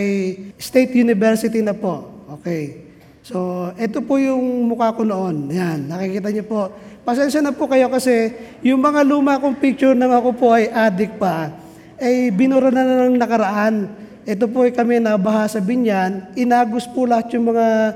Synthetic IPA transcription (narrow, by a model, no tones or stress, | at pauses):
ɐjst̪ejt̪junɪbɛɹsɪt̪inɐpo̞ʔʔo̞ːkɛj | so̞ʔɛt̪o̞pojʊŋmʊkaːkonoʔo̞nɐjanːɐkɪkiːt̪̬ɐɲopo̞ʔpɐsɛnʃɐnɐpokɐjo̞kɐsɛjʊŋmɐŋaluːmɐkoŋpik̚t͡ʃʊɾnɐŋɐko̞poʔɐjʔaːd̪ɪk̚pɐ | ʔɐjbɪnʊɾɐnanɐɐŋnɐkɐɾɐʔan | ʔɛt̪̬o̞p̬oɐjkɐmɛnɐbɐɦasɐbɪɲjanʔɪnaːɡʊspʊlɐhat̪jʊŋmɐŋa